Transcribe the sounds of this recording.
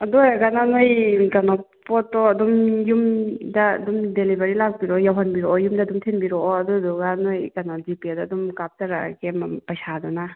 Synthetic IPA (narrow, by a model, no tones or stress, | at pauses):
ɐdɔɾaɡananojɡɐnɔpɔtːɔɐdumjumda̰ːdumdelibaɾilak̚biɾɔjawɦanbiɾɔʔɔjumdaːdumtʰenbiɾɔɐduduɡanojɡɐnɔd͡ʒipiadaːdumkap̚taɾa̰ɡempɐjsadɔna